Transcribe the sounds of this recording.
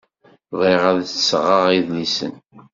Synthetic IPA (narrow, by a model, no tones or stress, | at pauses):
vˤeʁæðsʁəʁiðlisə̰n